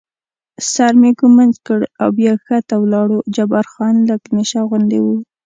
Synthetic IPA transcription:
saɾmekumanzkəɽa̰wbjɑxat̪awlɑɽod͡ʒabaɾxɑnləkneʃaɣʊnd̪ewu

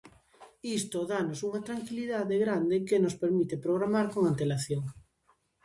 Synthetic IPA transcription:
ist̪oðanosuŋɐt̪ɾaŋkiliðaðeɣɾand̪ɪkenospeɾmit̪epɾoɣ̞ɾamaɾkoŋant̪elaθjoŋ

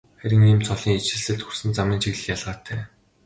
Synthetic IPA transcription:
χæɾʲɪ̆ŋiːmt͡sʰɔɮiːŋit͡ɕɪ̆ɮsɘ̆ɬt̪xursɘ̆nt͡samʲiːnt͡ɕʰiɣɮɘ̆xjaɮʁaːt̪ʰːæː

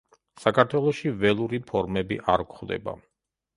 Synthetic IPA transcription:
sakʰaɾt̪ʰwɛlˠɔʃivɛlˠuɾipʰɔɾmɛbḭʔaɾkχd̪ɛ̰ba̰

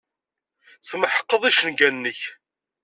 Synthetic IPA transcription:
θməħə̥qːəðˤiʃənɡænnːəç

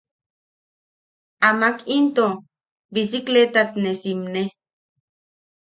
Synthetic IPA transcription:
amakint̪o | bisiklet̪at̪nesimne

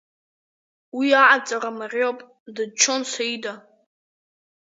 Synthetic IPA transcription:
wiaʕat͡sʼaramarʲopʼ | dɨd̚t͡ʃʷʰonsaida

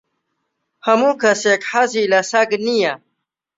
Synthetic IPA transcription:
hɐmukasekħazilasaɡnija

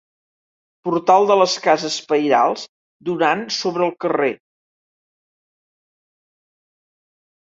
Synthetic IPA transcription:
puɾt̪alˠd̪ələskazəspəjɾa̰lˠz | d̪unansoβɾəːlˠkəre

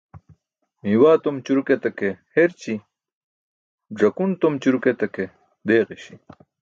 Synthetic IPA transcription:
miwaːt̪omt͡ɕuɾuket̪ɐkeheɾt͡ɕi | ʐɐkunt̪omt͡ɕuɾuket̪ɐke | d̪eːʁiɕi̥

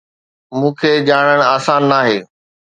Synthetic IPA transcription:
mũːkʰeːd͡ʑaːɽ̃əɽ̃aːsaːnːaːɦeː

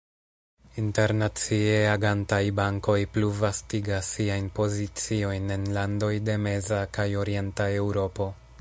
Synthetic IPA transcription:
inte̞ɾnat͡sie̞aɡantajbaŋko̞jpluvastiɡasːiajnpo̞zit͡sio̞jne̞nlando̞jde̞me̞zakajo̞ɾie̞ntae̞wɾo̞po̞

